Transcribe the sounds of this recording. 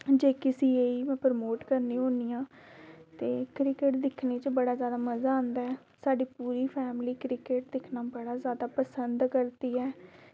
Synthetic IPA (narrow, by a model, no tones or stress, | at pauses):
d͡ʒeːkɪsiːeːiːmɛ̃ːpɾmoːʈkəɾnĩːɦõːniːjãː | t̪eːkɾɪkeʈd̪ɪkʰneːt͡ʃbəɽaːzjaːd̪aːməzaːõːnd̪aːɛː | saːɖiːpuːɾiːpʰɛːmliːkɾɪkeʈ̚d̪ɪkʰnaːbəɽaːzjaːd̪aːpəsənd̪kəɾt̪iːɛː